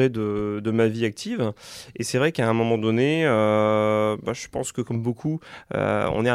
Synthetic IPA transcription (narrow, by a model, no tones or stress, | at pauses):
ʁed̪əd̪əmaviak̚t̪ʰivesɛvʁɛkãɛ̃mɔmɑ̃d̪ɔneø | baʒəpɑ̰̃skəkɔmbokʰuø̰ɔ̰̃nɛ